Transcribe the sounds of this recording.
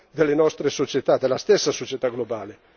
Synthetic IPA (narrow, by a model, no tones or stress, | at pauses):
d̪elːenɔst̪ɾesot͡ʃet̪ad̪elːast̪ɛsːasot͡ʃet̪aɡlobaːle